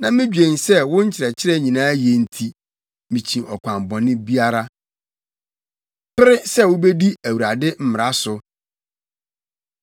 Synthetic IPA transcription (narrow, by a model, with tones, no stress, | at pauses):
nã˨mɪ̃˦d͡ʑᶣẽ˨nsɛ˦wʊ̃˦ɲ̩˦t͡ɕʰɪ˨ɾɛ˨t͡ɕʰɪ˦ɾɛ˦ɲĩ˨nãː˦jɛ˨n̩˦˨tʰi˨ | mĩ˨t͡ɕʰĩ˨ʔɔ˨kʷʰã˨mbɔ̃˨nɪ̃˦bi˦a˦ɾa˦ | pɪ˦ɾɪ˦sɛ˦˨wʊ˦be˦di˦æ˨wu˨ɾa˨dɪ˦m̩˦mɪ˨ɾa˨˦sʊ˨